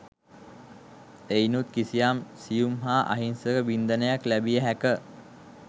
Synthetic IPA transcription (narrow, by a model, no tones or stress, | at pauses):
einut̪kisijamsijumɦaːʔa̰ɦinsəɾəbind̪ənəjaklæbijəɦækə